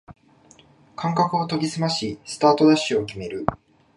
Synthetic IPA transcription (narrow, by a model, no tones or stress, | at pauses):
kʰãŋkakɯ̟ot̪o̞ɡʲisɨmaɕisɨ̥t̪aːt̪o̞d̪aɕːɨo̞kʲime̞ɾɯ̟